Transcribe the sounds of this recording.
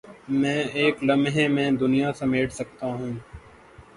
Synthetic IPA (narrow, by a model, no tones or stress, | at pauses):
mɛ̃ːeːklɐmɦẽmɛ̃ːd̪ʊnijasɐmeːʈʰsɐk̚t̪aɦũː